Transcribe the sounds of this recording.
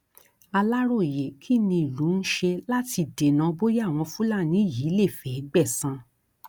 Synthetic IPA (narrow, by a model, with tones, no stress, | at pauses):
a˧la˦ɾo˦˨je˨kʰi˦˨nĩ˧i˨lu˨˦n̩˦ʃe˧la˦ti˧˨de˨nã˨˧˦bo˦ja˦˨w̃ɔ̃˧fu˦la˦˨nĩ˨˦˨jiː˨˦le˦˨fɛ˨i˦ɡ͡bɛ˦˨sã˧